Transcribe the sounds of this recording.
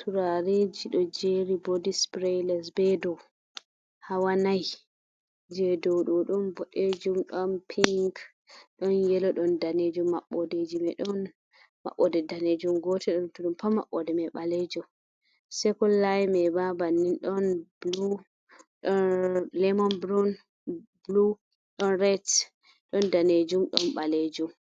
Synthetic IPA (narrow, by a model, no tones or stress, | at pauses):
tʰuɾaɾed͡ʒiɗɔd͡ʒeɾibodispɾelɛs̬bɛdɔw | hawanaj | d͡ʒɛdɔwɗɔɗɔnbɔʔed͡ʒumɗɔnpʰiŋk | ɗɔnjɛlɔɗɔndaned͡ʒumːaɓːɔded͡ʒimɛɗɔn | ma̰ɓːɔdɛdaned͡ʒumɡɔtʰɛɗɔntɔɗumpama̰ɓɔdɛmɛɓaled͡ʒum | sɛkɔllajmɛbabanːinɗɔnblu | ɗɔlɛmɔnbɾɔn | blu | ɗɔnɾɛt | ɗɔndaned͡ʒumɗɔ̰nɓaled͡ʒum